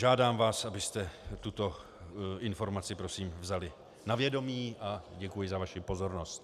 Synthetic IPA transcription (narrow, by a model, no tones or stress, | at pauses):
ʒaːdaːmvaːsabɪst̪ɛt̪ut̪o̞ | ɪnfo̞ɾmat͡sɪpɾo̞siːmvzalɪ | navjɛdo̞miːʔaɟɛkujɪzavaʃɪpo̞zo̞ɾno̞st̪